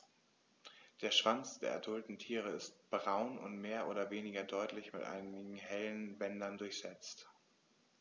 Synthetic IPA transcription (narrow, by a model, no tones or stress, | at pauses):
d̥eːɐʃv̥ant͡sd̥eːɐʔɐ̰dʊltn̩tʰiːʁəɪst̚b̥ʁaʊnʊ̰ntmeːɐʔoːɾɐveːnɪɡɐdɔʏtlɪçmɪtʔa̰ɪnɪɡŋ̩hɛlənbɛndɐndʊɐçz̥ɛt͡st